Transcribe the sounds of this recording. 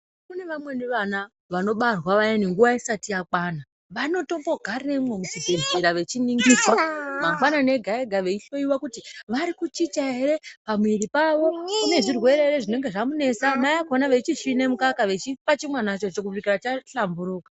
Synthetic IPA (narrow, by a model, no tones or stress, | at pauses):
kune̞ʋamwe̞niʋana | ʋano̞ɓarwaʋajeniŋɡuʋaisatijakwana | ʋano̞to̞mbo̞ɡʱarinemwemusibeziɾaʋe̞t͡ʃiniŋɡiswamaɡwanane̞ɡʱaeɡʱaʋe̞iɬo̞iwakutiʋaɾikut͡ʃit͡ʃaeɾe̞pamwiɾipaʋo̞kune̞ʐirwe̞ɾeeɾeʐine̞ŋɡe̞ʐamune̞samaakonaʋet͡ʃiʃine̞mukakaʋe̞t͡ʃipat͡ʃimwanat͡ʃo̞t͡ʃok̬uikirat͡ʃaɬambuɾuːkḁ